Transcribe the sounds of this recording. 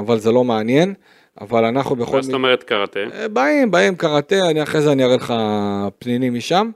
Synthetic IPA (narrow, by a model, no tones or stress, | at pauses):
avalze̞lo̞meanje̞n | a̰valanaχnube̞χot̪omeʁet̪kaʁat̪ebaimbaimkaʁat̪eaniaχʁe̞zeaniaʁeleχapninimiʃam